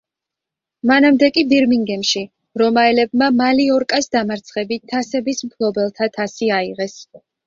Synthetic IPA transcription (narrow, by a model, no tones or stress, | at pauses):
manamd̪ɛkʼibiɾmiŋɡɛmʃi | ɾɔmaɛlɛb̚mamaliɔɾkʼasd̪amaɾt̪sʰχɛbit̪ʰːasɛbismpʰlˠɔbɛlˠt̪ʰat̪ʰasiaiʁɛs